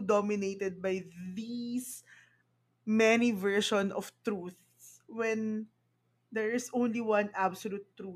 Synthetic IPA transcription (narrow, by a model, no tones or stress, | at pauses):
d̪ɔmɪnejt̪ɛd̪̚bajðis | mɛnivɛɹʃɔ̃nɔft̪ɹuθ | swɛ̃n | d̪ɛɹɪsõw̃nliwɐ̃nʔabsɔlut̪ːɹu